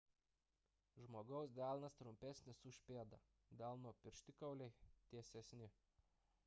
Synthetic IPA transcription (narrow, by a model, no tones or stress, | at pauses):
ʒmoːɡɐʊsd̪ʲæːˑlˠnɐst̪ɾʊmʲpʲæsʲnʲɪsʊʃʲpʲeːd̪ɐ | d̪ʲæˑlˠnuɔpʲɪɾʲʃʲt̪ʲɪkɐʊlʲɛɪt̪ʲiɛsʲɛsʲnʲɪ